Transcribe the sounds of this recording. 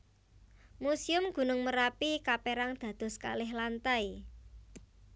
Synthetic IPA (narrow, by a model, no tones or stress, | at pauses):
musiʊmɡ̥ṳnʊŋməɾapikapeɾaŋd̪̥ä̤d̪̥ɔ̤ska̰lɪhlant̪aj